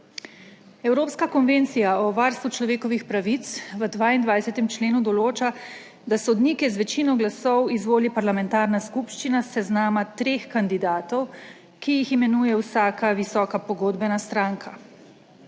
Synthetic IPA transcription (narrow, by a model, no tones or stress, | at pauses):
ɛwɾoːpskakɔnʋeːnt̪sijaɔʋaɾst̪ʋut͡ʃlɔʋeːkɔʋixpɾaʋit̪sʋəd̪ʋaːind̪ʋajsɛt̪ɛmt͡ʃleːnud̪ɔloːt͡ʃa | d̪asɔd̪niːkɛzʋɛt͡ʃinɔɡlasɔwizʋoːlipaɾlamɛnt̪aːɾnaskupʃt͡ʃinasɛznaːmat̪ɾeːxkand̪id̪aːt̪ɔw | kijiximɛnuːjɛwsaːkaʋisɔːkapɔɡoːd̪bɛnast̪ɾaːŋkʰa